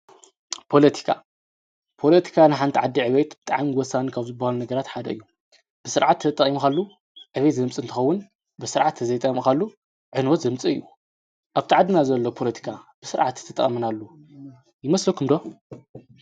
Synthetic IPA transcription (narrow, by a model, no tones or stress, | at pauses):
pʰo̞lɐt̪ʰi̥kʰa̰ | pʰo̞lɐt̪ʰi̥kʰanɨħant̪ʰiʕad̪ːiʕɨβet̪bɨt̪ʼa̰ʕmiwɔsːanikʰaβzɨbːahalunɐɡɐɾat̪ħad̪ɐ̰ɨ̰jːu | b̥ɨsɨɾʕat̪ːʰɐt̪ʼːɐχʼimukalːu | ʕɨβet̪zɐmt͡sʼɨɨnt̪ʰɨ̥xɐwːʊn | bɨsɨɾʕat̪ʰːɐzɐjt̪ʼɐmkʰalːu | ʕɨnwɔt̪zɐmt͡sʼɨɨ̰jːu | ʔaβt̪ʰiʕad̪inazɐlːopʰo̞lɐt̪ʰi̥kʰab̥ɨsɨɾʕat̪t̪ːʰɨt̪ʼɐχʼɐmɐnalːu | jɪmɐslɐkʰɨmd̪o